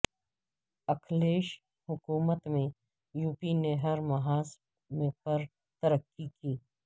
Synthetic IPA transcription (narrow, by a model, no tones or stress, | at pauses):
ɐkʰleːʃ | hʊkuːmət̪mẽ | juːpineɦɐɾmɐɦaːs | mẽpɐɾ | t̪ɐɾəkːikiː